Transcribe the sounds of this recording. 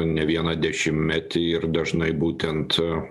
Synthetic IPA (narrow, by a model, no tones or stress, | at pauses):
nʲɛʋʲiɛnɐd̪ʲɛʃʲɪmʲmʲæt̪ʲɪɪɾd̪ɐʒnɐɪbuːt̪ʲɛnt̪